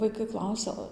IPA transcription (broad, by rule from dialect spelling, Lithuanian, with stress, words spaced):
ʋɐɪˈkɐɪ ˈklˠɐʊsʲɛ